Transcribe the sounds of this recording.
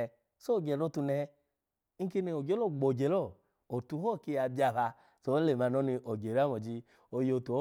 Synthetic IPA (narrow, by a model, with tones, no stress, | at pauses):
so˦˨ɡɛ˨ɾo˧˨tu˧nɛ˧ | i˦ki˧ni˧o˨d͡ʒe˦lo˦˨ɡ͡bo˨d͡ʒe˨lɔ˦˨ | o˨tu˧˦hɔ˦˨ki˧a˧ba˧˨βa˧ | so˧˦le˨ma˧˨nɔ˨˦ni˧ʔo˨ɡe˨ɾa˦mɔ˨d͡ʒi˧ | o˧jo˧˨tu˨o˦